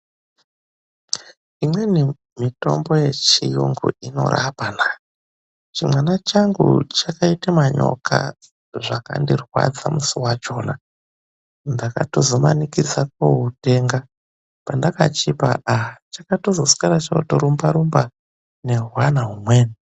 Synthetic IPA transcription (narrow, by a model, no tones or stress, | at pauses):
imwe̞ni | mito̞̰mbo̞je̞t͡ʃijuŋɡṵino̞̰ɾʔapana | t͡ʃimwanat͡ʃaŋɡṵt͡ʃakaitamaɲo̞̰kʰa̰ | ʐaka̰ndirwa̰d͡zamusuwad͡ʒo̞ːna | ndaka̰tozo̞ma̰nikid͡zak̚oɦute̞ŋɡa | pandakat͡ʃipa̰at͡ʃakatozo̞su̥kaɾat͡ʃaotoɾumbaɾumba | ne̞ɦuwanaɦumweːni